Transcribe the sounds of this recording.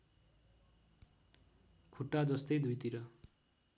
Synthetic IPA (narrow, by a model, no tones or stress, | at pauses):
kʰuʈːad͡zʌst̪ʌjd̪ujt̪iɾʌ